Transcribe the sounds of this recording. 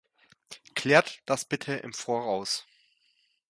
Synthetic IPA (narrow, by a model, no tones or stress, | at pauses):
kʰl̥ɛːɐtd̥asb̥ɪtʰəʔɪ̰mfoːɐʁaʊs